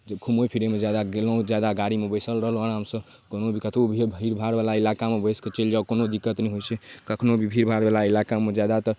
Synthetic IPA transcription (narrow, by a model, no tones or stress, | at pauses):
kʰumopʰiɾemed͡ʒjad̪aɡelə̃ũd͡ʒjad̪aɡaɽimebəjsəlɾəɦələnɦəmsə | konobʱikət̪ʰobʱibʱiɾbʱaɾbalailakamebəjsket͡ʃeld͡ʒaukonod̪ikːət̪nɛɦojt͡ʃʰɛkəkʰnobʱibʱiɾbʱaɾbalailakamed͡ʒjad̪at̪ə